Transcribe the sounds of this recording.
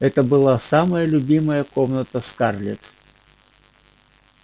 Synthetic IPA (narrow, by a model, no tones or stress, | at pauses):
ɛt̪əbɨlˠasaməjəlʲʊbʲiməjəkomnət̪əskarlʲɪt̪